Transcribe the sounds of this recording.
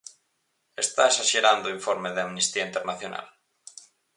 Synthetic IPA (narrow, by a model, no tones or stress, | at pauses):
est̪aesaʃeɾand̪oiɱfoɾmeðeamnist̪iaint̪eɾnaθjona̰l